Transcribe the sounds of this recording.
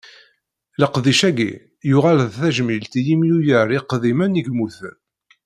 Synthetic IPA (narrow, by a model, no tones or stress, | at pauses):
ləqðiʃæɡḭ | jʊʁalðθæʒmilt̪ijimjujəɾˤiqːðimæniɡmuθən